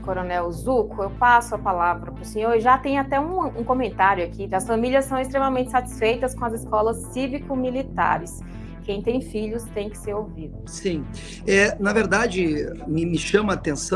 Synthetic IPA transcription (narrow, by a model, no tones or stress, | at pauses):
koɾonɛwzukʊewpasʊɐpalavɾɐpɾʊsẽɲoɾʒat̪ẽj̃ʊat̪ɛũũkõmẽnt̪aɾjʊakʰiɐsfɐ̃milʲɐsːɐ̃w̃est̪ɾemɐmẽnt͡ʃɪsat͡ʃ̪i̥sfejt̪ɐskõɐzɪskɔlɐsːivikʊmilit̪a̰ɾɪs | kẽj̃t̪ẽj̃fiʎʊst̪ẽj̃kɪ̥seɾowvid̪ʊsĩ | ɛnɐveɾd̪ad͡ʒɪmɪmɪʃɐ̃mɐːt̪ẽsɐ̃